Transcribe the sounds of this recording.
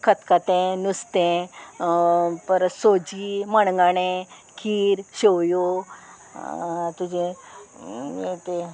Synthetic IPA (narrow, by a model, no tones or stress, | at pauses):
kʰət̪kat̪ẽnust̪ẽ | pəɾsod͡ʑiməɳŋɡaɽẽ | kʰiːɾɕewjo | t̪ud͡ʑẽ | et̪e